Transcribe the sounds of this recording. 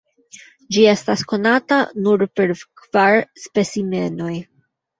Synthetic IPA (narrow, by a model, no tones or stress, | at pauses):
d͡ʒie̞stasko̞natanuɾpe̞ɾkv̥aɾspe̞sime̞no̞j